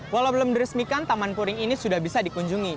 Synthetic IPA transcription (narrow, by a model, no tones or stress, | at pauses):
walawbələmdiɾəsmikant̪amanpuɾɪŋinisudahbisadikuɲd͡ʒuŋi